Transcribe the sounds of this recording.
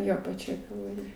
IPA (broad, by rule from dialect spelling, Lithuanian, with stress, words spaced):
ˈjoː pɐˈt͡ʃʲoːj kɐlˠʋɐˈrʲɪjoːj